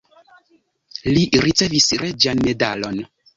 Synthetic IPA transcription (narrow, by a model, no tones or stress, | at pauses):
liɾit͡se̞visɾed͡ʒanme̞dalo̞n